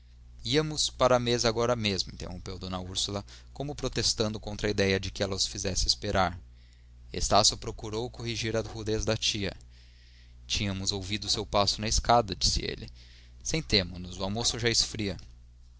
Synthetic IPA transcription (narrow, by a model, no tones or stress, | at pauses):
iɐmʊspaɾɐmezaɡɔɾɐmezmʊĩnt̪ḛhõ̰pewd̪õnɐuɾsulɐkõmʊpɾot̪est̪ɐ̃nd̪ʊkõnt̪ɾɐid̪ɛjɐd͡ʒɪkɪɛlɐʊsfizɛsɪespeɾʔaɾ | ḛst̪asjʊpɾokuɾowkoɦiʒiɾɐhud̪ezd̪ɐt͡ʃiɐ̰ | t͡ʃĩɲɐmʊzowvid̪ʊsewpasʊnɐeskad̪ɐd͡ʒi̥sɪ̰ḛlɪ | sẽj̃t̪ẽmʊnʊzʊawmosʊʒaɪsfɾiɐ